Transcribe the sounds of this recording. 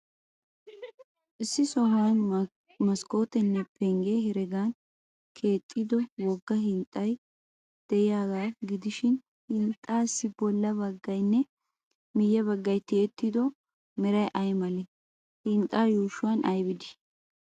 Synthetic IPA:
ʔɪsːɪsɔhwan | mɐsko̞ːt̪ɛnːɛpʰɛŋɡehɛɾɛɡaːn | kʰe̞ːt̪ʼːid̪ɔwɔɡːɐhɪnt̪ʼːɐj | d̪̥ɛʔɪjaːɡaːɡɪd̪ɪʃɪn | hɪnt̪ʼːaːsːɪbɔlːɐbɐɡːɐjnːɛ | mɪjːɐβɐɡːɐjt̪ɪɛt̪ːɪd̪ɔ | mɛɾɐjʔɐjmɐlɛ | hɪnt̪ʼːaːjoːʃʊwaːnʔɐjbɪd̪ɪ̥

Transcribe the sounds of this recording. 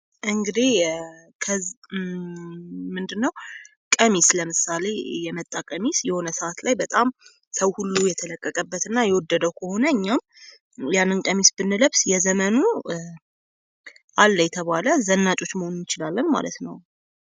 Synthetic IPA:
ʔɨŋɡɨd̪ekʰə | mɨnd̪ɨnːəw | kʼəmisləmɨsale̞jɛmət̪ʼːakʼəmisjɛho̞nəsəʔat̪lajbət̪ʼam | səwhulːujɛt̪ʰələkʼːəkʼəbːət̪ɨnːajɛwɔd̪ːəd̪əwkʰəho̞nəɨɲːam | janːɨnkʼəmisbɨnːɨləβsjɛzəmənu | ʔalːəjɛt̪ʰəβaləzənːat͡ʃʼo̞t͡ʃːməho̞nunjɪt͡ʃɪlalːənma̰lət̪nəw

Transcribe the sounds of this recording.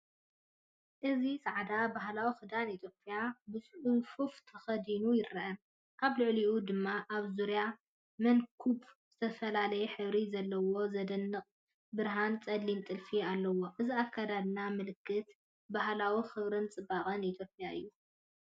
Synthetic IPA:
ʔɨzisʼaʕd̪abaɦlawixɨd̪anit̪ʰjo̞pʼjabɨsʼħufuft̪ʰɐxɐd̪inujɪɾɐʔɐn | ʔaβlʊʕliʔud̪ɨmːaʔaβzuɾja | mɐnkʰubz̥ɨt̪ʰɐfɐlalɐjɛħɨβɾizɐlːɐwo̞zɐd̪ɐnːɨqʼ | bɨɾɦant͡sʼɐd̪lint̪ʼɨlfialːɐwo̞ʔɨziakʰːad̪ad̪ɨnamɨlɨkʰːɨt̪ | baɦlawixɨβɾɨnt͡sʼɨbaχʼɐnit̪ʰjo̞pʼjaʔɨ̰jːu

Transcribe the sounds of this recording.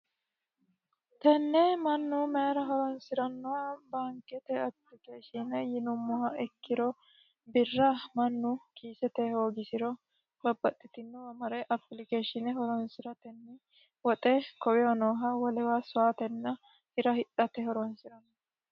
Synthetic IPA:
t̪ɛnːɛmɐnːumɛɾɐɦɔɾɔnsɪɾɐnːɔwabaːŋkːɛt̪ɛɐplɪkeːʃɪnɛjɪnʊmːʊhɐɛkːɪɾɔ | bɪrːɐmɐnːʊkʰiːsɛt̪ɛho̞ːɡɪsɪɾɔ | bɐbːɐt̪ʼːɪt̪ɪnːɛwɐmɐɾɛʔɐplɪkeːʃɪnɛɦɔɾɔnsɪɾɐt̪ɛnːɪ | wɔt̪ʼɛkɔwɛɔnoːɦɐwɐlɛwaːsɔaːt̪ɛnːɐ | hɪɾɐhɪtʼːɐt̪ɛɦɔɾɔnsɪɾɐnːɔ

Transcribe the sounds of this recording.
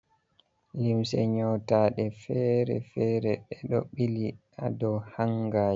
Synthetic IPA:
limsɛ̰ɲɔwtaːɗɛfɛːɾɛ̰fɛːɾɛɗɛɗɔɓiliʔadɔwhaŋɡaː

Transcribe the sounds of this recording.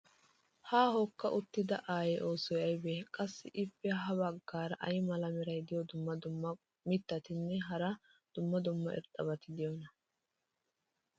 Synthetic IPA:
haːɦɔkːɐʔʊt̪ːɪd̪ɐʔaːjɛʔo̞ːsɔjɐjbekʼɐsːɪʔɪpːɛɦɐbɐɡːaːɾɐʔɐjmɐlɐmɛɾɐjd̪ɪjɔd̪ʊmːɐd̪ʊmːɐ | mɪt̪ːɐt̪ɪnːɛɦɐɾɐ | d̪̥ʊmːɐd̪ʊmːɐʔɛ̰ɾt̪ʼːɐbɐt̪ɪd̪ɪjɔnɐ

